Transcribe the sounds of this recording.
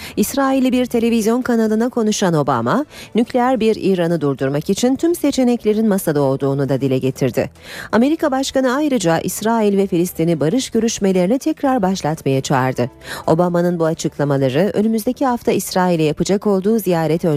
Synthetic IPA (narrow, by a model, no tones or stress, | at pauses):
isɾaːilʲibiɾt̪ʰe̞lʲe̞vizjo̞nkʰanalˠɯnakʰo̞nuʃano̞ba̰manyclʲejæɾbiɾḭɾanɯd̪uɾd̪uɾmakit͡ʃʰint̪ʰymse̞t͡ʃʰe̞nɛclʲe̞ɾinmasad̪ao̞lˠd̪uːnud̪ad̪ilʲɛɟe̞t̪ʰiɾd̪ɪ̰ame̞ɾikabaʃkanɯajɾɯd͡ʒaʔḭsɾaːilʲvɛfilʲist̪ʰinibaɾɯʃɟø̞ɾyʃme̞lʲe̞ɾinit̪ʰɛcɾaɾbaʃlˠat̪majat͡ʃʰaːɾd̪ɯo̞bamanɯnbuat͡ʃʰɯklˠamalˠaɾɯʔø̞̰nymyzd̪e̞cʰiɦaft̪ʰaisɾaːilʲɛjapɯd͡ʒako̞lˠd̪uːzijaːɾet̪ʰø